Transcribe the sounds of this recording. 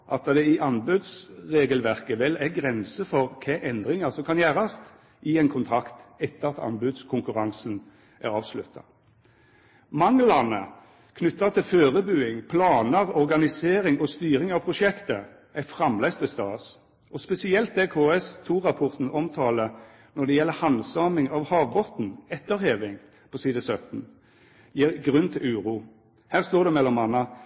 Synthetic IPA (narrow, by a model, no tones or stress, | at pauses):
ʔɑt̪̚d̪ɑd̪ɛɪʔɑnbʉd̪sʁeːɡəlʋæʁkəʋɛlæʁɡʁɛnsəfɔʁkʰeːʔɛnd̪ʁɪŋəʁsɔmkʰɑnjæːʁɑst̪ | ʔɪɛnkʰʊnt̪ʰʁɑkt̪ɛt̪ːəʁɑt̪ɑ̰nbʉd̪skʰʊŋkʉʁɑŋsn | ʔæ̰ʁɑːʋslʉ̰t̪ːɑ̰ | mɑŋlɑnə̰ | kʰnʉt̪ːɑt̪ʰɪføːʁəbʉːɪŋpʰlɑːnəʁɔʁɡɑnɪseːʁɪŋɔst̪yːʁɪŋɑʋpʰʁʊʃɛkt̪ə | æfʁɑmlæɪst̪ɪst̪ɑːs | ʔɔspɛsɪɛlt̪̚d̪ɛkʰoːɛst̪ʰuːʁɑpʰɔʁt̪n̩ɔmt̪ʰɑːlə | nɔʁd̪ɛjɛlːəhɑnsɑːmɪŋɑʋhɑːʋbɔt̪n̩ɛt̪ːəʁheːʋɪŋ | pʰɔsiːd̪əsœt̪n̩ | jiːʁɡʁʉnt̪ʰɪlʉːʁuː | hæːʁst̪oːʁd̪ɛmɛlːɔmɑnːɑ